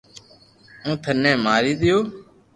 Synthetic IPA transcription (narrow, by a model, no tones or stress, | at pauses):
ũːt̪ʰənɛ̃ːmaːɾiːd̪ɪjoː